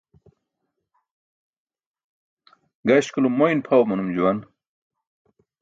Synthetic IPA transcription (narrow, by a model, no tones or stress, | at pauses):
ɡɐɕkulumojnpʰawmɐnumd͡ʑuwɐn